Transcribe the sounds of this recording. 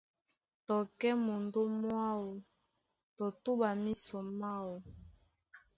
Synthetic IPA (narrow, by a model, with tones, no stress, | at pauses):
tɔ˨kɛ˦mo˨ndo˦mwa˦wo˨ | tɔ˨tu˦ba˨mi˦sɔ˨ma˦wo˨